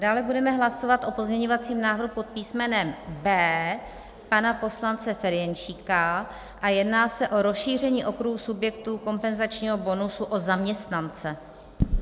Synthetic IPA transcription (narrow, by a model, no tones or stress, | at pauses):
daːlɛbudɛmɛɦlaso̞vat̪ʔo̞po̞zɲɛɲo̞vat͡siːmnaːvɾɦupot̪̚piːsmɛnɛmbɛː | panapo̞slant͡sɛfɛɾjɛnʃiːka | ʔajɛdnaːsɛʔo̞ɾo̞sʃiːr̝ɛɲiːʔo̞kɾuɦusubjɛkt̪uːko̞mpɛnzat͡ʃɲiːɦo̞bo̞nusuʔo̞zamɲɛst̪nant͡sɛ